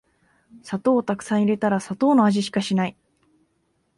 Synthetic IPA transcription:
sat̪o̞ːt̪akɯ̟̥sãɰ̃iɾe̞t̪aɾasat̪o̞ːnoaʑiɕi̥kaɕinai

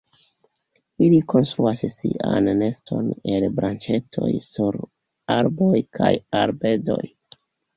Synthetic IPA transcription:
iliko̞nst̪ɾuasesiʔanːe̞stʰo̞ne̞lbɾant͡ʃe̞tʰo̞̰jsuɾ | aɾbo̞jkʰajaɾbe̞do̞j

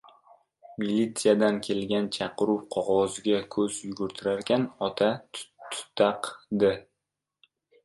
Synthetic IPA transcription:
milʲːit̪sijad̪ankʲʰe̞lɡʲant͡ʃʰɑqɨɾʊpqʰɒʁɒzɡʲakʰɵzjʊɡʊɾt̪ʰɪɾaɾkʲʰanɒt̪ʰat̪ʰʊ̥t̪ʰːɑqd̪ɪ

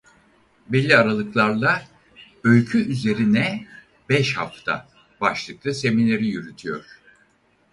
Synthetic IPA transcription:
belʲːiaɾalˠɯklˠaɾlˠa | ø̞lʲcʰyyze̞ɾinɛ | bɛʃha̰ft̪ʰa̰ | baʃlˠɯklˠase̞minlʲe̞ɾijyɾyt̪ʰyjo̞̰ɾ̝̥

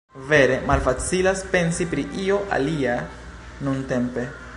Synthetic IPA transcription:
ve̞ɾe̞malfat͡silaspe̞nsipɾiʔioʔa̰lia | nunte̞mpe̞

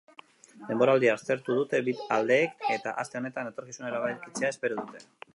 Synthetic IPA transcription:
d̪e̞mbo̞ɾald̪iaːɾt͡s̪e̞ɾt̪uð̞ut̪e̞βit̪ald̪e̞ːke̞t̪aʔast̪e̞o̞ne̞t̪anet̪o̞ɾkisuneɾaβajɾkit͡se̞ae̞spe̞ɾoðut̪e̞

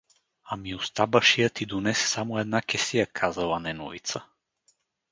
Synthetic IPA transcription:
amiost̪abəʃijət̪id̪onɛssamoɛd̪nakʲɛsijəkʰazɐlˠanɛnɔ̰vit̪sə

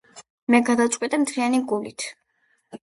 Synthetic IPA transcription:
mɛɡad̪at̪sʼqʼwit̪ʼɛmt̪ʰɾianiɡulit̪ʰ

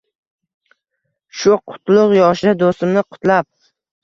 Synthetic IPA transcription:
ʃʊqʰʊ̥t̪lˠʊqjɒʃɪɪd̪ost̪ɪmnɪqʰʊ̥t̪lap̚

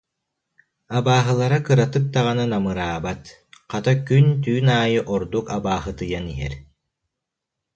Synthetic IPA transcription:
abaːɦɯlˠaɾakɯɾat̪ɯk̚t̪aʁananamɯɾaːbat̪ | qat̪akynt̪yːnaːjɯʔɔɾd̪ukabaːɦɯt̪ɯjaniɦɛ̰ɾ

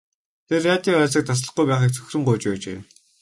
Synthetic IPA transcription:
t̪ʰerːat̪ʲiɔæːɮs̬ĭːk̚t̪ʰas̬ɮə̆χɡujpæːχiːk̚t͡sʰɵ̥x̆ʲrɘ̆ŋɢʊjt͡ɕpæːt͡ɕḛː

